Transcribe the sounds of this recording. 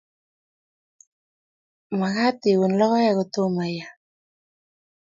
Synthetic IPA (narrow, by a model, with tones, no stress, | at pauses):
ma˨ɣa˦t̪i˨wu˨nla˦wa˦jaɣo˨t̪o˦ma˨ja˨